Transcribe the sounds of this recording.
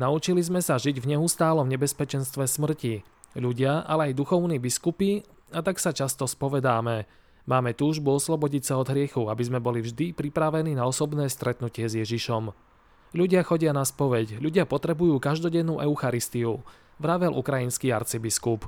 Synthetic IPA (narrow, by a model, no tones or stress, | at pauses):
naut͡ʃilizmɛsaʒiɟvɲɛust̪aːlɔmɲɛbɛspɛt͡ʃɛnst̪ʋɛsmr̩ci | ʎuɟɪaʔa̰lɛajd̪uxɔʊniːbiskupi | at̪aksat͡ʃast̪ɔspɔʋɛd̪aːmɛ | maːmɛt̪uːʒbuɔslɔbɔɟicsaɔd̪ɦɾɪɛxuabizmɛbɔlivʒd̪ipɾipɾaʋɛniːnaɔsɔbnɛːst̪ɾɛt̪nucɪɛzjɛʒiʃɔm | ʎuɟɪaxɔɟɪanaspɔʋɛcʎuɟɪapɔt̪ɾɛbujuːkaʒd̪ɔɟɛnːuːʔɛʊxaɾist̪iu | ʋɾaʋɛlʔṵkɾajinskia̰ɾt͡sibiskup